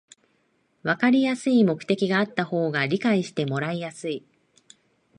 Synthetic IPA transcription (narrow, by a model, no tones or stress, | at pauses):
βakaɾʲijasɨimo̞kɯ̟̥t̪e̞kʲiɡaːt̪ːaho̞ːɡaɾʲikaiɕi̥t̪e̞mo̞ɾaijasɨi